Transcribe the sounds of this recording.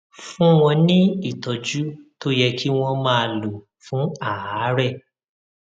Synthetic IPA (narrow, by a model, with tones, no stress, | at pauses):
fũ˦w̃ɔ̃˧nĩ˦i˦˨tɔ˨d͡ʒu˦to˦jɛ˧kʰi˦w̃ɔ̃˧mãː˦˧˨lo˨ | fũ˨˦a˦˨a˨˦ɾɛ˦˨